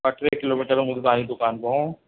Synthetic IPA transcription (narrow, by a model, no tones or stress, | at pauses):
bɐʈʰɾekɪloːmiːʈəɾmʊd̪t̪aːnid̪ʊkaːnbõ